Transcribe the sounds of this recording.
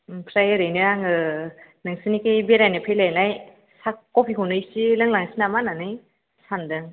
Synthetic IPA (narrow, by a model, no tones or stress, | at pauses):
pʰɾajɯɾejniɾaŋɯnɯŋsinikejbeɾajnɯpʰelajnaj | sakːopʰiɦunɯjsilɯŋlaŋsinamananɯj | sandɯŋ